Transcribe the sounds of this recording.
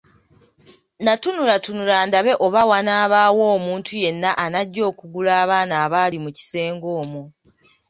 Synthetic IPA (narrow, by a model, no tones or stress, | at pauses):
natunuɾatunulaːndaβe̞ʔo̞βawanaːβaːwo̞ːmuːntʰuje̞nːaʔanaɟːo̞ːkuɡulaːβaːnaːβaːlimuci̥se̞ːŋɡo̞ːmu